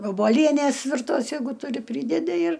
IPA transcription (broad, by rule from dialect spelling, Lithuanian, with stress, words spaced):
ʋoːboːˈlʲiɛnʲeːs ʋʲɪrˈtoːs ˈjɛɪɡʊ tʊˈrʲɪ ˈpʲrʲiːdʲɛdʲɪ ɪr